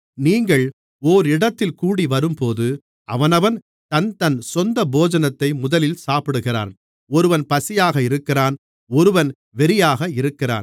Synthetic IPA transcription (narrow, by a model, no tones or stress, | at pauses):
niːŋɡɐɭ | oːɾɪɽɐt̪ːɪlkuːɽiʋɐɾɯmpoːðɯ | ɐʋɐnɐʋɐn | t̪ɐnt̪ɐnsɔnd̪ɐboːd͡ʒɐnɐt̪ːɐɪmʊðɐlɪlsaːpɪɽɯɣɪra̰ːn | ɔɾɯʋɐnpɐsɪjaːɣɐɪɾɯkːɪraːn | ɔɾɯʋɐn | ʋɛɾɪjaːɣɐɪɾɯkːɪra̰ːn